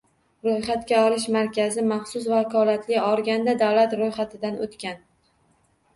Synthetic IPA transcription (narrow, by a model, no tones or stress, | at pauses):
ɾojχat̪kʲaɒlɪʃmaɾkʲazɪmɑχsʊsvakʰɒlat̪ʰlɪɒɾɡʲand̪ad̪awlat̪ɾojχat̪ʰɪd̪anot̪kʲan